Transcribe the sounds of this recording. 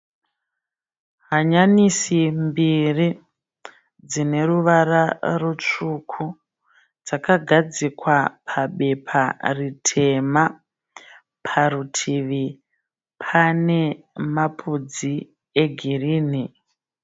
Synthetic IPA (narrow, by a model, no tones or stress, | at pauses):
ɦaɲanisimbiri | d͡zine̞ruʋaɾarut͡ʂukʰu | d͡zakaɡʱad͡zikwapʰaɓe̞pʰaritʰe̞ma | pʰarutʰiʋi | pʰane̞ | mapʰud͡zi | e̞ɡʱiriːni